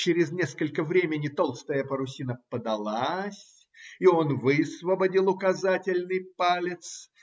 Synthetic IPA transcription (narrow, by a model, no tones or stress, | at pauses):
t͡ɕɪɾʲɪznʲe̞skəlʲkəvɾʲemʲɪnʲɪt̪o̞lˠst̪əjəpəɾʊsʲinəpəd̪ɐlˠasʲ | ɪo̞nvɨsvəbɐdʲilˠʊkɐzatʲɪlʲnɨjpalʲɪt̪s